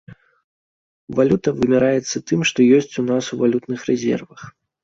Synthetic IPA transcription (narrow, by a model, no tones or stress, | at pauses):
valʲut̪ɐvɨmʲɛɾajɛt̪sːɐt̪ɨmʂt̪ɔjɔsʲt͡sʲunasuvalʲut̪nɨxɾɛzʲɛ̰rvɐx